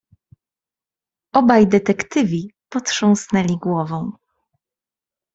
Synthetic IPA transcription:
ɔbajd̪ɛt̪ɛkt̪ɘvʲipɔtʂɔ̃w̃snɛlʲiɡwɔvɔ̃w̃

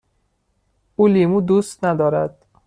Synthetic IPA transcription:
uːlimud̪ust̪næd̪ɒːɾæd̪̥̚

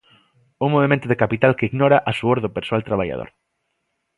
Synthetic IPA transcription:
uŋmoβemẽnt̪ʊðekapit̪alkeiɣnɔɾaʔasuoɾðopeɾsoalt̪ɾaβaja̰ðo̰ɾ

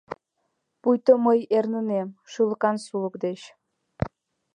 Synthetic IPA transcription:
pujt̪oməjernənemʃuləkɑnsuləkd̪et͡ɕ

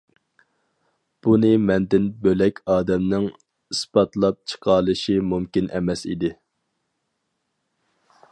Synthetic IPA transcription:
b̥unɨmɛnd̪ɪnbølɛkʲʰɑːd̪ɛmnɪŋ | ispɑt̪lˠɑp̚t͡ʃʰə̥qʰɑːlˠɨʃimumkʲinʔɛmɛsḭd̪ɪ

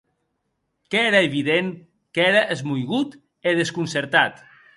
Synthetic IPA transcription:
keeɾaeβiðeŋ | keɾəʔezmujɣut̪ | eð̞eskunseɾt̪at̪

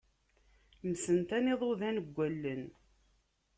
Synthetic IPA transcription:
msənt̪ænɪðˤoðænəɡʷːælːən

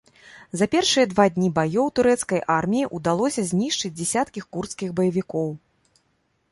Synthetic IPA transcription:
zɐpʲɛrʂɨjɐd̪vad̪ʲnʲibajɔwt̪uɾɛt̪skɐjʔarmʲijiʔud̪alˠɔsʲɐzʲnʲiʂt͡ʂɨd͡zʲd͡zʲɛsʲat̪kʲixkurt̪skʲixbɐjɐvʲikɔw

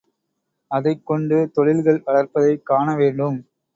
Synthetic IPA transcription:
ɐðɐɪkːɔɳɖɯt̪ɔɻɪlɣɐɭʋɐɭɐrpɐðɐɪkːaːɳɐʋeːɳɖɯm

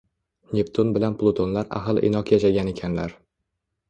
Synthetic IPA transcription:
nʲept̪ʰonbɪlanplˠot̪ʰonlaɾa̰ɦɨlˠɪ̰nɒqjaʃaɡʲane̞kʲʰanlaɾ

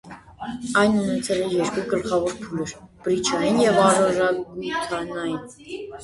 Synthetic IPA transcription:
ɑjnunɛt͡sʰɛlɛjɛɾkuɡəlχɑvɔɾpʰuləɾb̥ɾit͡ʃʰɑjinjɛvɑɾɔɾɑɡut̪ʰɑnɑjin

